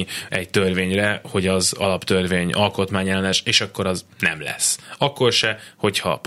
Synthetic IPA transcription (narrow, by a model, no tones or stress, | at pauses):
ɛct̪ørveːɲrɛho̞ɟɒzɒ̰lɒpt̪ørveːɲʔɒlko̞t̪maːɲɛlɛnɛʃeːʃɒkːo̞ɾɒznɛ̰mlɛ̰sːɒkːo̞rʃɛho̞chɒ̰p